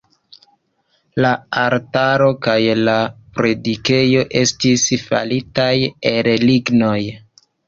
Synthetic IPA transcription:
laaɾtaɾo̞kajlapɾe̞dike̞jo̞ʔe̞stisfa̰litajelliɡno̞j

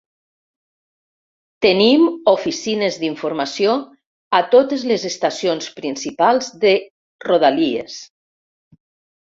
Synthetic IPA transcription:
t̪ənimofisinezðiɱfuɾmasjo | at̪ot̪əzlezest̪asionspɾinsipalˠzðe | roðaliḛs

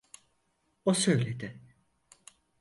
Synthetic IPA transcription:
osøjlʲed̪ɪ

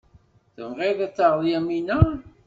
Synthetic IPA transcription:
θəmʁeðæt͡sːaʁðˤjæminæ

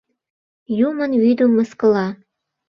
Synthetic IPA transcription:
jumənwyd̪umːə̆skə̆lɑ

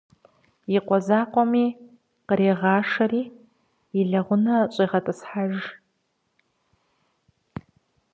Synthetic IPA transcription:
iqʷɔzaːqʷʼɔmi | qəɾeːʁɑːʂɐriː | iɮɐʁʷʊnɐɕʷʼɐjʁɐtʼɨsħaʒ

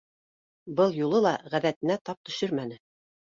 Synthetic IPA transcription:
bɤlˠjulˠɤlˠɑʁæðæt̪ɘ̆næt̪ɑp̚t̪ɵ̆ʃɵɾmænɘ

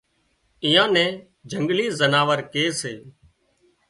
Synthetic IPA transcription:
ɪjãːnɛ̃ː | d͡ʒʱəŋɡliːzənaːʋəɾkeːseː

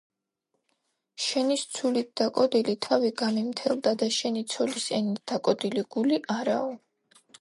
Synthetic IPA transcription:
ʃɛnist̪sʰulit̪̚d̪̥akʼɔd̪ilit̪ʰaviɡamimt̪ʰɛlˠd̪ad̪aʃɛnit̪sʰɔlisɛnit̪̚d̪̥akʼɔd̪iliɡ̥uliʔaɾaɔ

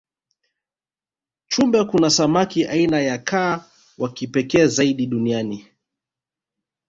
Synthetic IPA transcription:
t͡ʃumbɛkunasamakiʔainajakʰaː | wakipɛkɛːzaiɗiɗuniani

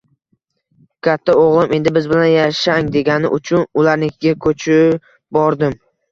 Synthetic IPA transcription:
kʲʰat̪ʰːaoʁlˠɪme̞nd̪ɪbɪzbɪlanjaʃaŋd̪e̞ɡʲanɪ̰ʔʊt͡ʃʰʊnʊlaɾnɪkʲɡʲakʰɵt͡ʃʰɪ | bɒɾd̪ɪm

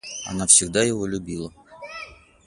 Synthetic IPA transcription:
ɐ̰nafsʲɪɡd̪ajɪvolʲʊbʲilˠə

